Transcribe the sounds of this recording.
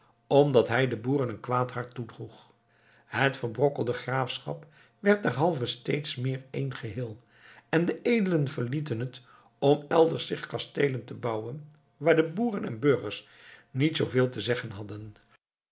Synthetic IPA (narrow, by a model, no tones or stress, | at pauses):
ɔmdɑtɦɛjdəbuːrənənkʋaːthɑɹtːudruχ | ɦətfəɹbrɔkəlˠdəχraːfsχɑ̰p | ʋɛɹt̚dɛɹɦɑlˠvəstejtsmɪːɹejnχəɦɪːlˠ | ɛndəʔejdələnvəɹlitənɦət | ɔmɛlˠdəɹsɪχkɑstejləntəbɑwən | ʋaːɹdəbuːrənɛ̰nbøɹχəɹs | nitsowvɪːlˠtəzɛχənɦɑdən